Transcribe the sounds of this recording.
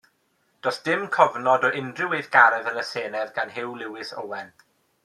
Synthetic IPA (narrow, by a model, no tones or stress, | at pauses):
d̥ɔsd̥ɪmkʰɔvnɔdɔʔɪndrɪwejðɡaɾɛðənəseːnɛðɡanɦɪwlˠɪwɪso̰wɛn